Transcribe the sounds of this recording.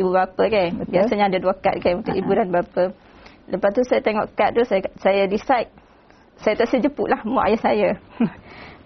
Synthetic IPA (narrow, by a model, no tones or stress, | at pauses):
ibubapəkanbiasaɲãadaduaka̰t̪̚kanunt̪ukibudanbapə | ləpast̪usajat̪eŋɔʔkat̪̚t̪ussajadisajt̪̚ | sajat̪aʔsəd͡ʒəpṵʔlahmɔʔajasaja